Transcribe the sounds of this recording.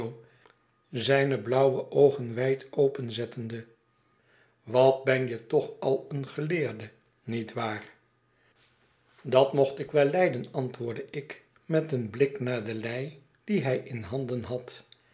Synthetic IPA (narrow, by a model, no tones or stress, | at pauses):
zɛjnəblʌwwəʔowχənʋɛjtowpənzɛtəndə | ʋɑt̚bɛnjətɔχɑlˠənχəlɪːɹdə | nitʋaːr | dɑtmɔχtɪkʋɛlˠːɛjdənɑntʋʊːɹdəʔɪk | mɛtənblɪknaːɹdəlɛj | d̥iɦɛjʔɪnɦɑndənɦɑt